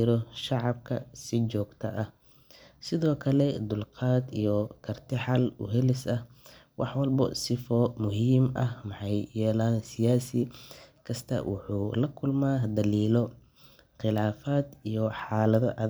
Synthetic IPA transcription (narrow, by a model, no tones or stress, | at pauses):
ɪɾɔʃɑʕɑb̚kʰɐsɪt͡ʃɔːɡt̪ʰɐʔɐh | sɪðɔːkʰɐlɛd̪ʊlqɑːd̪ijɔkʰɐrt̪ʰɪħɑlʊ̰ɦɛlɪsɐhwɑħwɑlbɐ̰sɪfɔmʊɦiːmɐhmɑħɑjjɛːlaːnsɪjaːsɪkʰɐst̪ʰɐ̰wʔʊ̰ħuːlɐkʰʊlmaːd̪ɐliːlɔ | qɪlaːfaːd̪ijɔħɑːlɐðɔʔɐð